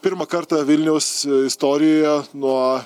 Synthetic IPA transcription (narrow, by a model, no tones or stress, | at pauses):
pʲɪɾmɐkɐɾt̪ɑʋʲɪlʲnʲɛʊsɪst̪oːɾʲɪjoːjɛnuɔ